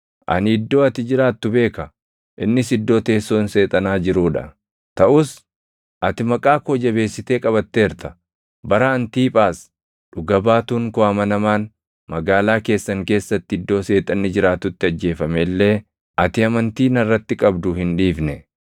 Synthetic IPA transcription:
ʔɐ̰nɪd̪ːo̞ːɐt̪ɪd͡ʒɪɾaːt̪ːʊbe̞ːkɐ | ʔɪnːɪsɪd̪ːo̞ːt̪eːsːoːnse̞ːt̪ʼɐnaːd͡ʒɪɾuːᶑɐ̰ | t̪ɐʔʊs | ʔɐt̪ɪmɐkʼaːkoːd͡ʒɐbe̞ːsːɪt̪eːkʼɐβɐt̪ːeːɾt̪ɐ̥ | bɐɾɐɐnt̪iːpʼaːs | ᶑʊɡɐbaːt̪uːŋkoɐmɐnɐmaːn | mɐɡaːlaːke̞ːsːɐŋke̞ːsːɐt̪ːɪɪd̪ːo̞ːse̞ːt̪ʼɐnːɪd͡ʒɪɾaːt̪ːʊt̪ːɪɐd͡ʒːe̞ːfɐmelːe̞ː | ʔɐt̪ɪɐmɐnt̪iːnɐrːɐt̪ːɪkʼɐbd̪ʊhɪnᶑiːfnɛ

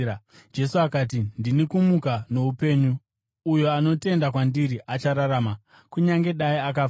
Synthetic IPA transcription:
d͡ʒe̞suakaːt̬indinikumukano̞upe̞ːɲuː | jo̞ano̞te̞ndakwandiɾiʔat͡ʃaɾaɾaːma | kuɲaŋɡe̞ɗaiak̬a

